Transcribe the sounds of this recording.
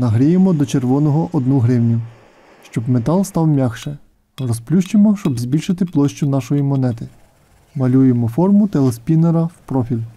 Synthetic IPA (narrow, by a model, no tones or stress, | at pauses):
nɐɦɾʲijemɔd̪ɔt͡ʃerʋɔnɔɦɔʔɔd̪nuɦɾɪwnʲʊ | ʃt͡ʃɔbmet̪ɑlˠst̪ɑwmʲjɑxʃɛ | rɔsplʲuʃt͡ʃemɔʃt͡ʃɔbzbʲilʲʃɪt̪ɪplˠɔʃt͡ʃʊnɑʃɔjimɔn̪ɛt̪ɪ | mɐlʲujemɔfɔrmʊt̪elˠespʲineɾɐwpɾɔfʲilʲ